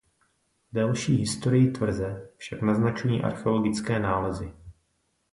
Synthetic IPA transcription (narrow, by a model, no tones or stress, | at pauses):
dalʃiːɦɪst̪o̞ɾɪjɪt̪vr̩zɛfʃaknaznat͡ʃniːʔa̰ɾxɛo̞lo̞ɡɪt͡skɛːnaːlɛzɪ